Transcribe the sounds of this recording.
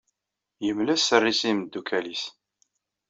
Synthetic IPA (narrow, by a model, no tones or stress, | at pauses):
jəmlæsːərːisimd̪ːukʰælis